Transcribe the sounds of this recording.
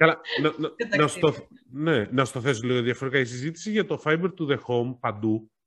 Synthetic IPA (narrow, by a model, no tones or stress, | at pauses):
kɐlɐnɐnɐnɐst̪oθne̞nɐsu̥t̪ɐθe̞soliɣoðiɐfoɾikɐisizit̪i̥siʝɐt̪o̞fɐjbe̞ɾt̪uðe̞xo̞mpɐnd̪u